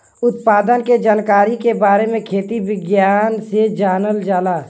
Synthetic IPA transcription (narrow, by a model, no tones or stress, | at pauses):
ʊt̪paːd̪ənked͡ʒaːnkaːɾikebaːɾemẽkʰeːt̪ibɪɡjaːnsed͡ʒaːnəld͡ʒaːlaː